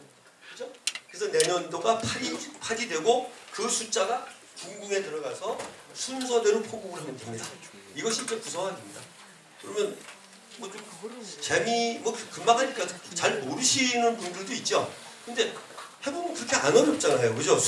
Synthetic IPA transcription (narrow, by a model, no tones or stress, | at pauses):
kɯd͡ʑokɯesʰʌne̞ɲʌndoɡapʰaɾipʰadidwe̞ɡokɯsʰut͡ɕ͈aɡa | kuŋɡuŋe̞tɯɾʌɡasʰʌsʰunsʰʌdwenɯnpʰoɡoɡɯɭɦamjʌtwemɲida̰ | iɡʌɕʰit͡ɕ͈ekusʰʌŋɦademɲida̰ | kɯɾʌmjʌn | mʌt͡ɕomt͡ɕe̞mimwʌkɯmakɦaɲik͈at͡ɕaɭmoɾɯɕʰinɯnpundɯɭdoit̚t͡ɕ͈o | kɯnde̞he̞bomɯnkɯɾʌkʰe̞anʌnʌp̚t͡ɕ͈aŋɯɭɦajokɯd͡ʑo